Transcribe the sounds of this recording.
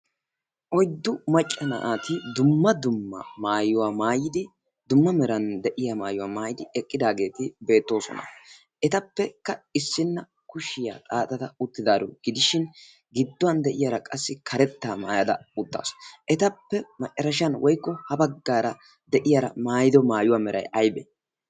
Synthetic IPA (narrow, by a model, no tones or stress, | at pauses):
ʔɔjd̪ːʊmɐt͡ʃʼːɐnɐ̰ʔaːt̪ɪd̪ʊmːɐd̪ʊmːɐ̰maːjʊwaːmaːjɪd̪ɪ | d̪ʊmːɐmɛɾɐnd̪ɛʔɪjamaːjʊwaːmaːjɪd̪ɪɛkʼːɪd̪aːɡe̞ːt̪ɪbe̞ːt̪ːo̞ːsɔ̰nɐ̰ | ʔɛt̪ɐpːɛkːɐɪsːɪnːɐ | kʊʃɪja̰ːt̪ʼaːt̪ʼɐt̪ɐʊt̪ːɪd̪aːɾʊɡ̥ɪd̪ɪʃɪn | ɡɪd̪ːʊwɐnd̪ɛʔɪjaɾɐkʼɐsːɪkʰɐɾɛt̪ːaːmaːjɐd̪ɐ̰ʊt̪ːa̰ːsʔɛt̪ɐpːɛmɐt͡ʃʼːɐɾɐʃɐnwʔɔjkːɔhɐbɐɡːaːɾɐ | d̪ɛʔɪjaɾɐ̰maːjɪd̪ɔmaːjʊwaːmɛɾʔɐ̰jʔɐjbɛ̰ː